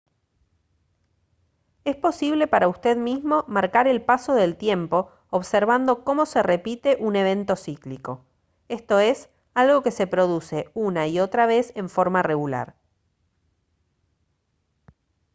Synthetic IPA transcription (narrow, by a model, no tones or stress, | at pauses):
e̞spo̞siβle̞paɾaust̪e̞ðmizmo̞maɾkaɾe̞lpaso̞ðe̞lt̪je̞mpo̞ː | βseɾβ̞and̪o̞ko̞mo̞sere̞pit̪e̞ʔune̞β̞e̞nt̪o̞sikliko̞ | e̞st̪o̞e̞s | alɣo̞ke̞se̞pɾo̞ð̞use̞unaio̞t̪ɾaβ̞e̞se̞ɱfo̞ɾmareɣula̰ɾ